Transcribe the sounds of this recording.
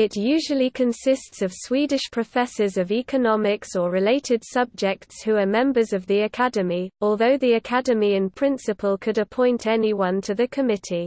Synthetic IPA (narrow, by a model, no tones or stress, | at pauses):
ɪʔjʉːʒəlikʰə̃nsɪstsəv̥swiːdɪʃpʰɹ̥əfɛsəzəviˑkənɒmɪksəɹɪleɪtʰɪd̥sʌb̚d͡ʒɛk̚tshuəmɛ̃mbəzəvðiəkʰadəmiɔːlˠðəʊðiəkʰadəmiɪ̃npʰɹ̥ɪ̃nsɪpʰəlˠkʰədəpʰɔ̃ɪ̃ntʰɛniwʌ̃ntʰəðəkʰəmɪtʰi